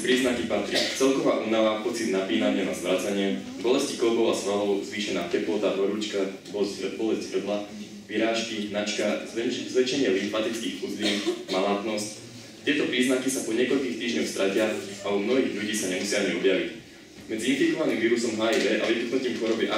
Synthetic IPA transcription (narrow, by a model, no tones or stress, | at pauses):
pɾiːznakipat̪ɾit͡sɛlkɔʋa̰ːʔuːnaʋapɔt͡sid̪napiːnaɲɪɛnazmɾat͡saɲɪɛ | bɔlɛscikɔbɔʊasʋaɦɔʊzʋiːʃɛnaːkɛplɔt̪aɾɔɾuːt͡ʃka | bɔzbɔlɛzɟɦr̩d̪la | ʋiɾaːʃkinat͡ʃkazʋɛt͡ʃɛɲɪɛlit̪mat̪it͡skiːxfuzd̪iːmalaːt̪nɔsc | t̪ɪɛt̪ɔpɾiːznakisapɔɲɪɛkɔʎkiːxt̪iːʒɲɔʊst̪ɾacɪaaumnɔɦiːɣʎuɟiːsaɲɛmusɪaaɲiɔbɪjaʋic | mɛd͡ziinfikɔʋaniːmʋiːɾusɔmɦaːid̪ɛʔa̰ʋit̪uknuc̪iːmxɔɾɔbiʔa